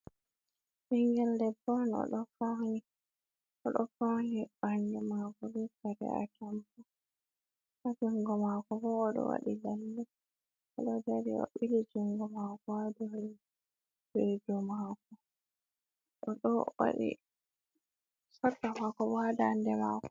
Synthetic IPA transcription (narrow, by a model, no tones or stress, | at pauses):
ʔiŋɡɛldɛbɔnɔ̰ɗɔfawni | ʔɔɗɔfawnibaɲd͡ʒɔmakɔdukaɾɛ̰a̰kɛmpɔ | ʔad͡ʒuŋɡɔmakɔbɔːɗɔ̰wa̰ɗilalːɛ | ʔɔɗɔdaɾḭwa̰ɓːilid͡ʒuŋɡɔmakɔadɔi | bed͡ʒɔmakɔ | ɗɔɗɔ̰wa̰ɗḭ | sɔtːamakɔbɔadandɛma̰ːkɔ̥